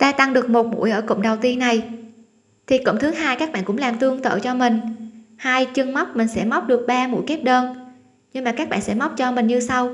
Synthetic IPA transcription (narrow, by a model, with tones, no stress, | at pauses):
t̪aː˧t̪a˧ŋɗɨ˨˩ək̚mo˨˩t̚mṵ˧˥əjʔəː˧˩kə̰˧˨wŋ͡mɗə˨˩wt̪i˧ənːa˨˩j | t̪ʰi˨˩kə̰˧˨ŋ͡mt̪ʰɨ˨˦ɦaː˧jkaː˦˥k̚ɓa̰ː˧˨nkʊ̰˧˥ŋ͡mlaː˨˩mt̪ɨ˧əŋt̪ə̰ː˧˨t͡ɕɔ˧mï˨˩ŋ̟haː˧jt͡ɕɨ˧əŋma˦˥wk͡p̚mï˨˩ŋ̟sɛ̰˧˥ma˦˥wk͡p̚ɗɨ˨˩ək̚ɓaː˧mṵ˧˥jke˦˥p̚ɗəː˧n | ɲɨ˧ŋmaː˨˩kaː˦˥k̚ɓa̰ː˧˨nsɛ̰˧˥ma˦˥wp̚t͡ɕɔ˧mï˨˩ŋ̟ɲɨ˧sa˧w